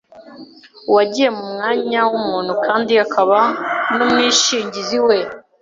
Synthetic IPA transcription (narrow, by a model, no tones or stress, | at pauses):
waɟije̞mumŋaːɲawumuːn̥hukʰaːndiakʰaβanumŋiːʃiːɲɟiziwe̞